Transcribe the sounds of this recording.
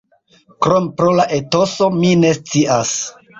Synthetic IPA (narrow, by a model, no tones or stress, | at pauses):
kɾompɾolaʔeto̞so̞mine̞st͡siʔas